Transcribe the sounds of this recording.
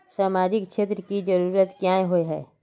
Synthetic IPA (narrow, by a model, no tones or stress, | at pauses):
saːmaːd͡ʒɪkʃʰeːt̪ɾəkid͡ʒɐɾuːɾət̪kjaːẽɦoeɦɛ̰ː